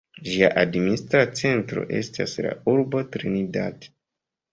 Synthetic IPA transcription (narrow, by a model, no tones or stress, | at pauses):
ʒiaʔadministɾat͡se̞ntɾo̞̰ʔe̞stasla̰uɾbo̞tɾinida̰te̥